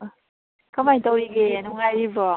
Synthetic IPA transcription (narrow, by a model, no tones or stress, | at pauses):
kamajtɔwɾiɡenuŋajɾibɔ